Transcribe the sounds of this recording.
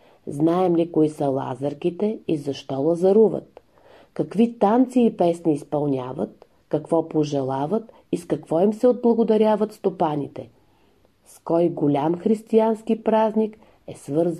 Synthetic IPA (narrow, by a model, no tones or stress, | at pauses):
znaɛmlikoisəlˠa̰zəɾkʲit̪ɛizɐʃt̪ɔlˠɐzɐɾuvə̰t̪̚ | kɐkvit̪ant̪siːpɛsniːspɐlˠnʲa̰və̰t̪̚ | kɐkvɔpoʒɛlˠavət̪ | iskɐkvɔimsɛod̪̚blˠɐɡʊd̪ɐɾʲavət̪st̪opanʲit̪ɛ | skɔjɡolʲamxɾist̪ianskipɾaznʲik | ɛsvɤɾz